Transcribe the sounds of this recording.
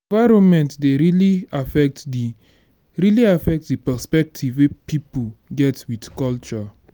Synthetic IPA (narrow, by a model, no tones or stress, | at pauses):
vaɪɹõnmɛ̃ntdeɹiliafɛk̚ti | ɹiliafɛk̚tdipɛspɛk̚tʰivwepipuɡɛtwidkɔlt͡ʃɔ